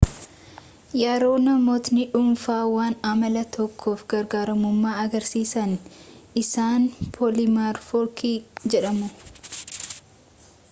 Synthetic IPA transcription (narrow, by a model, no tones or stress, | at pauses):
jaːɾo̞ːnɐmoːt̪nɪᶑʊmfaːwaːnɐmɐlɐt̪ʰɔkʰːo̞ːfɡɐɾɡaːɾɐmʊmːaːɐɡɐɾsiːsɐnʔɪsaːnpʰɔlɪmaɾfɔɾkid͡ʒɛᶑɐmʊ